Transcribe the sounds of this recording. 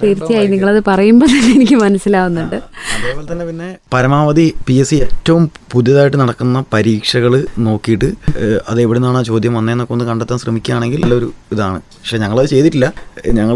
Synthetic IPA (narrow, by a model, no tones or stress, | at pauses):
t̪eːɾit͡ɕːijaːjiniŋːɐɭɐðɨpɐrɐjumboːt̪ɐnːeenikʲːɨmɐnɐsːilaːʋunːuɳɖɨeːʋɐːlt̪ɐnːe̞pinːe̞pɐɾɐmaːʋɐd̪ipiesietːɐʋumpud̪jɐðaːjʈːɨnɐɽɐkːunːɐpɐɾiːkʂɐɣɐɭɨno̞ːkːijiʈːɨɐ̰ðɨeʋiɽunːaːɳaːt͡ɕo̞ːd̪jɐmʋɐnːeːnːokːumonːɨkɐɳɖet̪ːaːnɕrɐmikʲːumaːɳe̞ŋɡilelːao̞ɾuiðaːɳɨpɐkʂe̞ɲɐŋːɐɭɐðɨt͡ɕe̞jt̪iʈːilːɐɲɐŋːɐɭ